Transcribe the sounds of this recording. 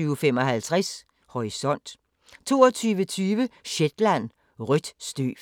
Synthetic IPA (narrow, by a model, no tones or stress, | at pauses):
yːʊfemɒ̽ɦælt͡sʰʁɛs | hɒisɒ̽n̰d̥ | t͡sʰo̝̰ːɒt͡sʰyːʋət͡sʰyːʋəɕed̥læn̰ | ʁyd̥sd̥y̰ː